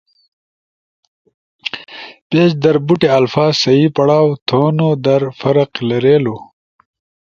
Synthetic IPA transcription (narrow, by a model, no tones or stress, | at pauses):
peːt͡ʃd̪ɐɾbuʈeɐlfaːzsɐjipɐɽaːwt̪ʰoːnod̪ɐɾfɐɾɐqlɐɾeːlo